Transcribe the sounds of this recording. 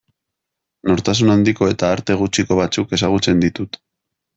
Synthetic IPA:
no̞ɾt̪as̬unand̪iko̞e̞t̪aːɾt̪e̞ɣut͡ʃiko̞β̞at͡suke̞saɣ̞ut͡se̞nd̪it̪ut̪

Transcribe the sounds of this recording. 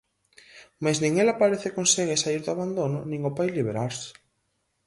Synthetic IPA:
majsnĩŋelapaɾeθɪkonseɣesaiɾðʊaβand̪onʊnĩŋʊpajliβeɾaɾsɪ̥

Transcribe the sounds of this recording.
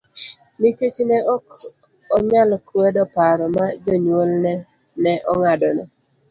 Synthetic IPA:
niket͡ʃnɛʔɔk | ɔɲalkwɛdɔpaɾɔmad͡ʒɔɲwolnɛ | nɛʔɔŋadɔnɔ

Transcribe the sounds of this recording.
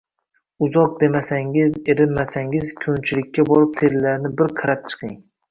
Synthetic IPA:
ʊzɒq̚d̪e̞masaŋɪze̞ɾɪnmasaŋɪzkʰont͡ʃʰɪlɪkʲʰːabɒɾɪp̚t̪ʰe̞lːaɾnɪbɪɾqʰɨɾap̚t͡ʃʰɨ̥qʰɪŋ

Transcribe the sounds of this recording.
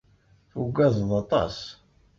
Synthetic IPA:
fuɡæðˤðˤɑt̪ˤɑ̰s

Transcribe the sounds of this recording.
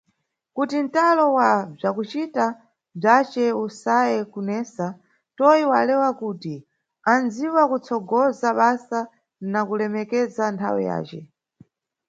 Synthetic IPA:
kutin̩talɔwab͡ʐakut͡ʃita | b͡ʐat͡ʃɛusajɛkunɛːsa | tɔiwalɛwakuːti | and͡ziwakut͡sʰɔɡɔzaɓasa | nakulɛmɛkɛzantʰa̰wɛ̰ja̰ːt͡ʃɛ̰

